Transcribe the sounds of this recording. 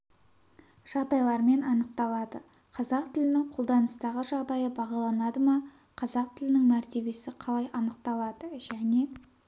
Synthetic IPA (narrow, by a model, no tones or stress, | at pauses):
ʒ̥ɑʁd̪ɑjlˠɑɾme̞nɑnəq̚t̪ɑlˠɑd̪ə | qʰɑzɑq̚t̪ʰɪlɪnɪŋqʰo̞lˠd̪ɑnəst̪ɑʁəʒɑʁd̪ɑjəbɑʁɑlˠɑnɑd̪əmɑ | qʰɑzɑq̚t̪ʰɪlɪnɪŋmæɾt̪e̞be̞sɪqʰɑlˠɑjʔɑnəq̚t̪ɑlˠɑd̪əʒ̥æne̞